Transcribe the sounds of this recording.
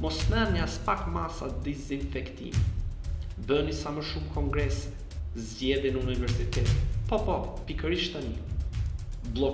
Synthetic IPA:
mɔsnɛniaspakmasad̪izinfɛkt̪ḭnɛ | bənisaməʃumkɔŋɡɾɛs | zɟɛðjɛnəunivɛɾsit̪ɛt̪pɔpɔpikəɾiʃt̪ani | blˠɔ

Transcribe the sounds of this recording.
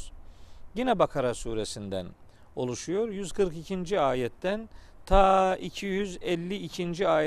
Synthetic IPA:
jinɛbakʰaɾasuːɾe̞sind̪æ̰n | o̞̰lˠuʃujo̞ɾjyzkʰɯɾkicʰind͡ʒiaːjɛt̪ʰːæn | t̪ʰaːicʰijyzɛlʲːiːcʰind͡ʒiaːj

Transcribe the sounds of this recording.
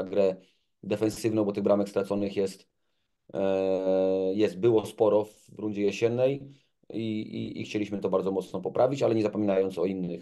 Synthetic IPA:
aɡɾɛ | d̪ɛfɛnsɘvnɔ̃w̃bɔt̪ɘɣbɾamɛkst̪ɾat̪sɔnɘxjɛst̪ | jɛst̪̚bɘwɔspɔɾɔv | ɾund͡ʑɛjɛɕɛnːɛj | iḭḭxt͡ɕelʲiɕmɘt̪ɔbaɾd̪zɔmɔt̪snɔpɔpɾʔavʲit͡ɕalɛɲɛzapɔmʲinajɔnt̪sɔinːɘx

